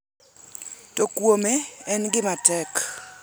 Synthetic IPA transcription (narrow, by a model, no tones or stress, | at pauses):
tokwomeɛnɡɪmatɛk